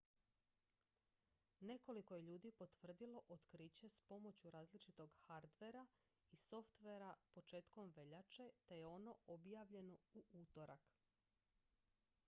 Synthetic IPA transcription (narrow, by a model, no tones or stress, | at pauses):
ne̞ko̞liko̞je̞ʎuːd̪ipo̞t̪ʋr̩d̪ilo̞ʔot̪kɾiːt͡ɕe̞spo̞mo̞t͡ɕuɾaːzlit͡ʃit̪o̞ɡxaɾd̪ʋe̞ɾa | iso̞ft̪ʋeɾapo̞t͡ʃe̞ːt̪ko̞mʋe̞ʎat͡ʃe̞t̪e̞jeo̞no̞objaːʋʎe̞no̞uʔut̪o̞ɾak